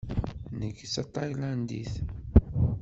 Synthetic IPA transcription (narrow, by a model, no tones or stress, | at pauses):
nəkːsɑt̪ˤɑjlænd̪ḭθ